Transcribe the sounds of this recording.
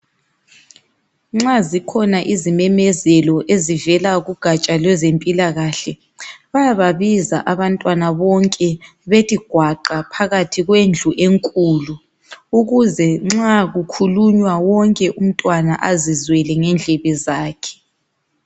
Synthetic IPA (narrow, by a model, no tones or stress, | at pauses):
ŋ͡ǁazikʰɔnaʔizimɛmɛzɛlɔʔezivɛlaɣuɡ̥ʱat͡ʃʼalwɛzempʼilaɣaɬɛ | βajaβaβiza̰ʔaβantʼwanaβɔŋkʼɛ | βetʼiɡ̥ʱwaǃapʰaɣatʰiɣwend͡ɮʱuʔeŋkʼulu | uɣuzɛŋ͡ǁaɣukʰuluɲwawɔŋkʼɛʔum̩tʼwana̰ʔazizwɛlɛŋɛnd͡ɮʱɛβɛzaːkʰɛ̥